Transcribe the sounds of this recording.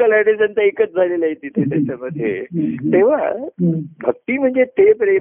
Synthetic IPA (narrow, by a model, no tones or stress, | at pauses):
əlaʈesənt̪aikət͡sd͡zʱalelaɦit̪it̪et̪jat͡ɕaməd̪ʱjḛt̪eʋ̤a̰ | bʱək̚t̪im̤ə̃ɳd͡zet̪epɾe